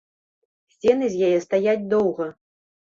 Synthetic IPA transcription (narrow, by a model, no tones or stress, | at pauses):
sʲt͡sʲɛnɨzʲjajɛst̪ajad͡zʲd̪ɔwɣɐ